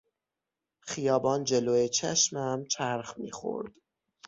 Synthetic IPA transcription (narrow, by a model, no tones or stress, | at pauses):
xijɒːbɒːnd͡ʒeloːet͡ʃʰæʃmæmt͡ʃʰæɾxmḭːxo̰ɾd̪̥